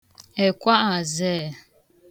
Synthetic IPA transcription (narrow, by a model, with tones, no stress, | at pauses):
ɛ˨kwa˦ʔa˨zɛ˦˨